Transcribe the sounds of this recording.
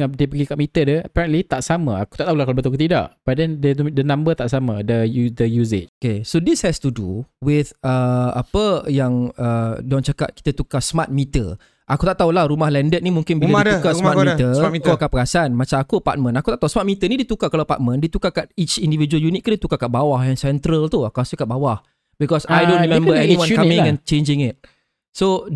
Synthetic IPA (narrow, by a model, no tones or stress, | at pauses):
adiəpəɡikaʔmit̪ədəəpɛɾənlit̪aʔsamaaku̥t̪aʔt̪aulakalabət̪uakut̪ida̰ʔbadɛndədənãmbət̪aʔsamadədəjuzet͡ʃokesodishɛst̪udṵwɪθəa̰pəjaŋədont͡ʃaka̰t̪̚ki̥t̪ət̪ukasmat̪̚mit̪ə̰ | ʔakut̪aʔt̪aulahɾumahlɛndət̪̚nimũŋkɪnbilaidukasmat̪̚mit̪əitkakapəɡasanmat͡ʃamakupa̰t̪̚mə̃nakut̪aʔt̪ausmat̪̚mit̪ənidit̪ukakalapa̰ʔt̚mə̃ndit̪ukakat̪̚it͡ʃindivid͡ʒuəljunit̪̚kədit̪ukakaʔ̚bawahjaŋsɛnt̪ɾəlt̪uakuasukaʔ̚bawah | bikɔsajdõnɾimɛ̃mbəɛniwãnkamĩŋɛ̃nt͡ʃend͡ʒɪ̃ŋɪt̚ | so